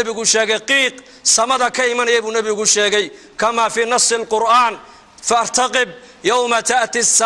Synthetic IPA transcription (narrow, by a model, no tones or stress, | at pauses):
βɪɣʊʃɛːɣɛjqiːq | sɐmɐðɐkʰɐɪmɐnɐjɛjβuːnɐβɪɣʊʃɛːɣɛj | kʰɐmaːfiːnɑsˤːɪlqʊɾʔaːn | fɐɑɾt̪ʰɐqɪb̚ | jɐwmɐt̪ʰaʔt̪ɪsː